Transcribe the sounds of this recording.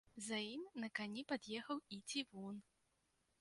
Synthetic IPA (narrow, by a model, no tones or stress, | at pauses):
zɐimʲnɐkanʲipad̪jɛxɐwit͡sʲivun